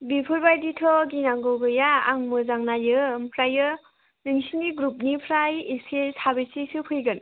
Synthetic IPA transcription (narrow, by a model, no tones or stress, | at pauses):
bipʰɯɾbajditʰɔɡinaŋɡɯwɡɯja̰ːŋmɯzaŋnajɯmpʰɾajɯ | nɯŋsinɡiɡɾup̚nipʰɾajesesabɯsisɯpʰɯjɡɯn